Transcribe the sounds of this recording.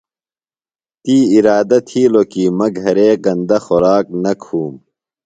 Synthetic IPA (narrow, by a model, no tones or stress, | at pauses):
t̪iːiɾaːd̪ɐt̪ʰiːlokiːmɐɡʱɐɾeːɡɐnd̪ɐxɔɾaːknɐkʰuːm